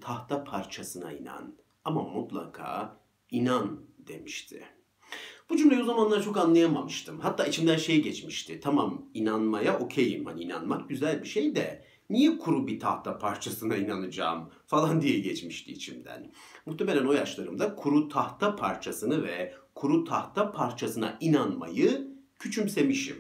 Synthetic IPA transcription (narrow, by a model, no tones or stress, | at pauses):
t̪ʰaht̪ʰapʰaɾt͡ʃʰasɯna̰ina̰n | amamut̪lˠa̰kʰa̰ː | inand̪̥e̞miʃt̪ʰɪ̰ | b̥ud͡ʒumlʲajozamanlˠaɾt͡ʃʰokanlˠajamamɯʃt̪ʰɯmhat̪ʰːaːit͡ʃʰimd̪ænʃe̞jɟɛt͡ʃmiʃt̪ʰɪt̪ʰamaminanmajaʔo̞cʰejimhaniina̰nmak̚ɟyzælʲbiʃe̞jd̪ɛ | nijɛkʰuɾubit̪ʰa̰ht̪ʰapʰaɾt͡ʃʰasɯnainanɯd͡ʒa̰ːm | falˠand̪ijɛɟɛt͡ʃmiʃt̪iːt͡ʃʰimd̪æ̰nmuht̪ʰeme̞lʲæno̞jaʃlˠaɾɯmd̪akʰuɾut̪ʰaht̪ʰapʰaɾt͡ʃʰasɯnɯvɛkʰuɾut̪ʰaht̪ʰapʰaɾt͡ʃʰasɯna̰ʔinanma̰jɯ | cʰyt͡ʃʰymse̞miʃḭm